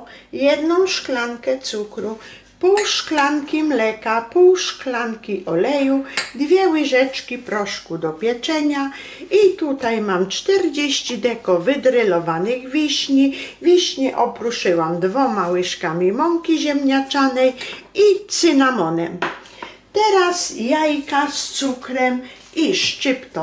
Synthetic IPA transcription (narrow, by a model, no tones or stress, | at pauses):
jɛd̪nɔ̃w̃ʂklaŋkɛt̪sukɾu | puwʂklaŋkʲimlɛkapuwʂklaŋkʲiʔɔlɛjud̪vʲjɛwɘʐɛt͡ʂkʲipɾɔʂkud̪ɔpʲjɛt͡ʂɛɲa | it̪ut̪ajmamt͡ʂt̪ɛɾd͡ʑeɕt͡ɕid̪ɛkɔvɘd̪ɾɘlɔvanɪɣvʲiɕɲivʲiɕɲɛʔɔpɾuʂɘwamd̪vɔmawɘʂkamʲimɔŋkʲiʑɛmɲat͡ʂanɛjit̪sɘnamɔnɛm | t̪ɛɾasjajkast̪sukɾɛm | iʂt͡ʂɪpt̪ɔ